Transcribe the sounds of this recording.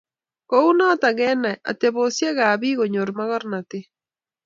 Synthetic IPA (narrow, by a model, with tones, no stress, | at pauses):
kou˦nɔ˦ta˨ɣɛ˦na˨ʔa̰˨teβosje˦ɣa˨βi˦ɣoɲoɾmaɣɔ˦ɾnate˦